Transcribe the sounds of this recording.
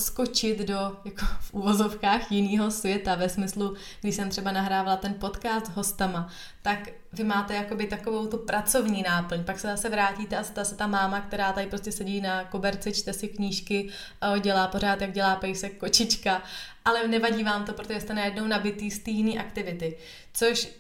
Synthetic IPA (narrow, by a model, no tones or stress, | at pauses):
sko̞t͡ʃɪt̪do̞jakofʔuvozo̞fkaːxjɪniːɦo̞svjɛt̪avɛsmɪslu | ɡdɪʃsɛmt̪r̥ɛbanaɦɾaːvalat̪ɛnpo̞t̪kaːst̪zɦo̞st̪ama | t̪ak | vɪmaːt̪ɛjako̞bɪt̪ako̞vowt̪upɾʔat͡so̞vɲiːnaːpl̩ɲpaksɛzasɛvɾaːciːt̪ɛʔast̪asɛt̪amaːmakt̪ɛɾaːt̪aɪpɾo̞scɛsɛɟiːnakobɛɾt͡sɪt͡ʃt̪ɛsɪkɲiːʃkɪ | ɟɛlaːpo̞ɾ̝aːt̪jaɡɟɛlaːpɛjsɛkːo̞t͡ʃɪt͡ʃkaʔalɛnɛvaɟiːvaːmt̪opɾooʒɛst̪ɛnajɛdno̞wnabɪt̪iːst̪iːjɪniːʔakt̪ɪvɪt̪ɪ | t͡so̞ʃ